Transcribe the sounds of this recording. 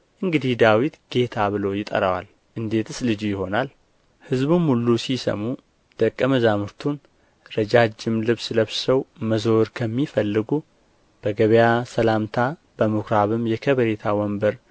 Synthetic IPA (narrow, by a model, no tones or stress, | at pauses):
ʔɨŋɡɨd̪ihd̪awit̪ɡ̥e̞t̪ʰaβɨlo̞jɪt̪ʼə̰ɾəwa̰l | ʔɨnd̪e̞t̪ʰɨslɨd͡ʒujɪho̞nal | hɨzbumhulːusisə̰mu | d̪̥əkʼːəməzamɨɾt̪ʰun | ɾəd͡ʒad͡ʒɪmlɨβsləβsəwməzoɾkʰəmːifəlːɨɡu | b̥əɡəβjasəlamt̪ʰa | b̥əmɨkɾaβɨmjɛkʰəβəɾet̪ʰawɔmbəɾ